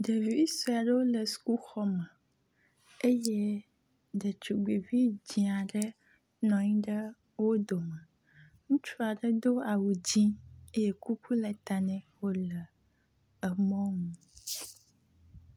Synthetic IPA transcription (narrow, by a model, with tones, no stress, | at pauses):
ɖə˨vi˦i˦su˦a˨ɖə˦wo˦lə˨su̥˨ku˦xɔ˦mə˨ | e˦je˦ | ɖə˨t͡ʃu˨ɡ͡bi˨vi˦d͡ʑĩ˨a˨ɖə˦ | nɔ̃˨ɲĩ˦ɖə˦ | wo˦d̪o˨mə̃˨ | ŋũ˦t͡ʃu˦a˨ɖə˦d̪o˦a˨wu˨d͡ʑĩ˦e˦je˦ku˦ku˦lə˨t̪a˨nɛ̃˨wo˦lə˨ | ə˨mɔ̃˦mũ˨